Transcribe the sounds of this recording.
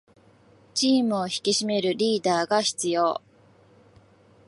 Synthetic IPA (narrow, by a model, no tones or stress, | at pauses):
t͡ɕiːmɯ̟oçi̥kʲiɕime̞ɾɯ̟ɾʲiːd̪aːɡaçi̥t͡sɨjo̞̰ː